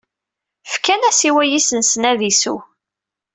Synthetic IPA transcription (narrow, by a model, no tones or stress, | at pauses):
fkænæsiwæjisənsnæðisṵ